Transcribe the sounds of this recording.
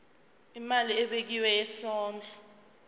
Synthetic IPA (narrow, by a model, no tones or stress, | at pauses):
imaliɛɓek̬iwɛjɛsɔːnd͡ɮʱɔ